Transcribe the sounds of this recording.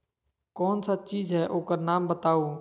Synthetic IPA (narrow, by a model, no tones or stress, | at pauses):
kɔːnsat͡ʃiːzɦɛːʔoːkəɾnaːmbət̪aːuː